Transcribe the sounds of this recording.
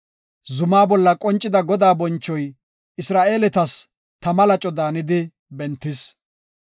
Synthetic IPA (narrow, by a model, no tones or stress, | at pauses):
zʊmaːbɔlːɐkʼɔnt͡ʃʼːɪd̪ɐɡɔd̪aːbɔnt͡ʃːɔj | ʔɪsɾaːʔe̞ːlɛt̪ɐs | t̪ɐmɐlɐt͡ʃʼɔd̪aːnɪd̪ɪ | bɛnt̪ːɪs